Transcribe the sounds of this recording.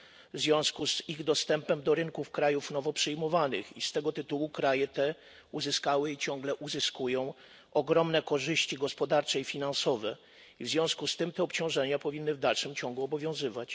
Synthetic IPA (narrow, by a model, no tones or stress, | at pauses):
vzvʲjɔ̃w̃skuziɣd̪ɔst̪ɛmpɛmd̪ɔɾɘnkufkɾajufnɔvɔpʂɘjmɔvanɘ̰xist̪ɛɡɔt̪ɘt̪uwukɾajɛt̪ɛ | uzɘskawɘit͡ɕɔ̃ŋɡlɛʔuzɘskujɔ̃w̃ | ʔɔɡɾɔmnɛkɔʐɘɕt͡ɕiɡɔspɔd̪aɾt͡ʂɛifʲinansɔvɛ | ivzvʲjɔ̃w̃skust̪ɘmt̪ɛɔpt͡ɕɔ̃w̃ʐɛɲapɔvʲinːɘvd̪alʂɘmt͡ɕɔ̃ŋɡuɔbɔvʲjɔ̃w̃zɘvat͡ɕ